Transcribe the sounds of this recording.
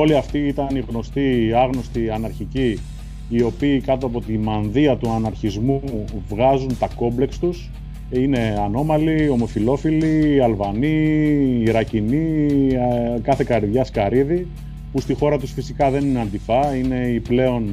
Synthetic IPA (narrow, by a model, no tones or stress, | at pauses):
o̞liɐft̪iit̪ɐniɣno̞st̪iɐɣno̞st̪iɐnɐɾçiciː | o̞piːkɐt̪oɐpo̞t̪imɐnðiɐt̪uɐnɐɾçizmuvɣɐzunt̪ɐko̞mble̞kst̪us | ine̞ɐno̞mɐlio̞mo̞filo̞filiɐlvɐniː | ɾɐcini | kɐθe̞kɐɾiðʝɐskɐɾiði | pust̪ixo̞ɾɐt̪usfisikɐðe̞nineɐnd̪ifɐine̞iple̞o̞n